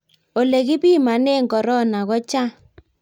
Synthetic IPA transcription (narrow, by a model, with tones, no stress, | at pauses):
o˨le˨ɣi˦bi˦ma˨ne˦˨ŋɡɔ˨ɾɔ˦na˨ɣɔ˦t͡ʃa˦